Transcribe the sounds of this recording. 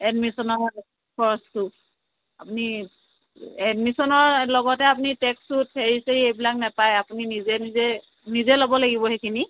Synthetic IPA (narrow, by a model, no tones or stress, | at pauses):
ɛdmisɔnɔɹ | pʰɔɹstu | apuni | ɛdmisɔnɔɹlɔɡɔtɛapunitɛkstutheɹiseɹiejbilak̚nɛpajapuninizɛnizɛ | nizɛlobɔlaɡibɔɦekʰini